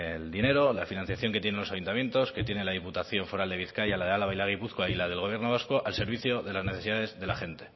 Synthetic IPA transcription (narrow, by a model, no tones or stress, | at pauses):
eld̪ine̞ɾo̞lafinãn̟θjaθjo̞ŋkejenenlosajunt̪amjẽ̞nt̪o̞ske̞t̪je̞nelaðiput̪aθjo̞ɱfo̞ɾald̪e̞β̞iθkajalaðealaβajlaɣ̞ipuθkwailaðe̞lɣoβje̞ɾno̞β̞asko̞ʔalse̞ɾβiθjo̞ðe̞lazne̞θe̞siðaðezðe̞laχe̞nt̪e̞̥